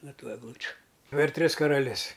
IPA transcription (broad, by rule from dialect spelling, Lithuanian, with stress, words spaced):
ˈnoː ˈtuː ɛɡˈlˠʊt͡ʃʲʊ pʲɛr ˈtʲrʲɪs kɐrɐˈlʲɪs